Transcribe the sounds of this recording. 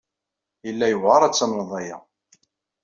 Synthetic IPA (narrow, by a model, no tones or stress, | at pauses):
jəlːæjəvʁɑɾˤæt͡sːɑmnðˤɑjæ̰